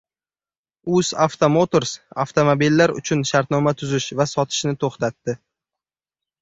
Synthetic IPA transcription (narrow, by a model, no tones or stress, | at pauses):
ʊsaft̪ʰomot̪oɾsa̰ft̪omobilːaɾʊ̰t͡ʃʰʊnʃaɾt̪nɒmat̪ʰʊzɪʃvasɒt̪ʰɪ̥ʃnɪt̪ʰoχt̪at̪ːɪ